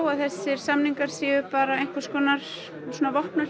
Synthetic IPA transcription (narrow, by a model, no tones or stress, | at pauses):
waðθɛsːɪɾ̥samniŋkaɾ̥siːʏpaːɾaejŋ̥kaskɔːnaɾ̥ | suːnavɔhpnʏ